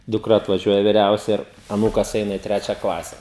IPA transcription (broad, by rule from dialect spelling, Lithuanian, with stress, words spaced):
dʊkˈrɐ ɐtʋɐˈʒʲuɔjɛ ʋʲɪˈrʲɛʊsʲɛ ɪr ɐˈnuːkɐs ˈɛɪnɐ ɪ ˈtʲrʲæːt͡ʃʲɛ ˈklˠɑːsʲɛ